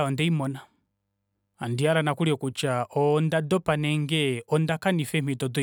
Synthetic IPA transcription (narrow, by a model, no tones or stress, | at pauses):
ɔndɛimɔna | andiaɾanakuliɔkut͡ʃaɔndadɔpanɛŋɡɛɔndakanifɛmidɔdɔ